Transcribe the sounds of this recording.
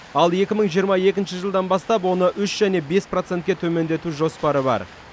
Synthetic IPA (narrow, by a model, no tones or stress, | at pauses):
ɑlˠe̞kʲɪməɴʒijəɾmɑje̞kʲɪnʃɪʒəlˠd̪ɑnbɑst̪ɑpwo̞nəʔʏʃʒæne̞be̞spro̞t̪se̞nt̪kʲe̞t̪ʰɵme̞nd̪e̞t̪uʒo̞spɑɾəbɑ̰ɾ